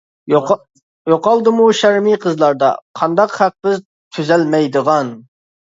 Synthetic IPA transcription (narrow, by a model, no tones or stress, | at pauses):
joqɑlˠd̪ɨmuʃæɾmiqʰəzlˠɑɾd̪ɑ̰qʰɑnd̪ɑqχæq̚bɪz | t̪ʰyzɛlmɛjd̪əʁɑn